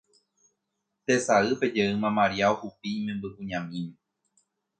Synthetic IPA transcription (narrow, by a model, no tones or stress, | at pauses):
t̪esaɨped͡ʒeɨmãmaɾiaohupiːmẽmbɨʔuɲãmĩm